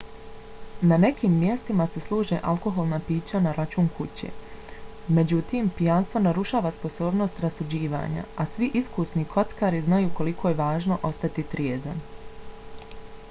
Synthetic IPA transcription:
nane̞kiːmːje̞st̪imase̞slˠuːʒeʔalˠko̞ɦo̞lˠnapiːt͡ɕanaɾat͡ʃuːŋkʰut͡ɕe̞̰ː | me̞d͡ʑut̪iːmpijanst̪vʋo̞naɾuʃaːʋaspo̞so̞ːbno̞st̪ɾasud͡ʑiːʋa̰ːɲa̰asʋiʔiskusnikʰo̞t̪skaːɾiznajuːko̞likʰo̞ːje̞ʋaːʒno̞ʔo̞st̪at̪it̪ɾjeːzan

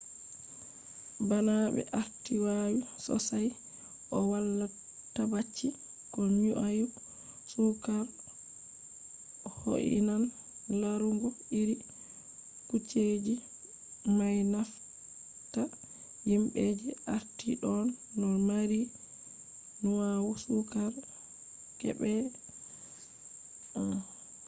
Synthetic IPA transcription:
banaɓɛ̰ʔaɾtiwajusɔ̰saj | ʔɔwalːa | tːabat͡ʃːi | kɔɲuʔaju | sukaɾ | ɔho̰ʔḭnan | laɾuŋɡɔiɾi | kut͡ʃːed͡ʒi | majnaf | ta | jimɓed͡ʒiʔaɾtiɗɔnː | ɔmaɾi | nuwawusukaɾ | kɛ̰ɓɛ

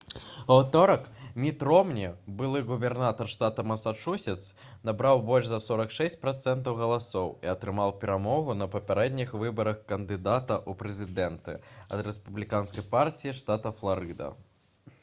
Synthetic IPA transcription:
ɐwt̪ɔɾɐkmʲit̪ɾɔmnʲibɨlˠɨɣubʲɛrnat̪ɐrʂt̪at̪ɐmɐsat͡ʂusʲɛt̪s | nabɾawbɔlʲʐzɐsɔɾɐkʂɛsʲt͡sʲpɾat̪sɛnt̪ɐwɣɐlˠasɔwiɐt̪ɾɨmawpʲɛɾamɔɣunɐpɐpʲaɾɛd̪ʲnʲixvɨbɐɾɐxkɐnd̪ɨd̪at̪ɐʔupɾɛzʲid̪ɛnt̪ɨ̰ɐ̰d̪ɾɛspublʲikanskɐjpartʲijiʂt̪at̪ɐflˠaɾɨd̪ɐ̰

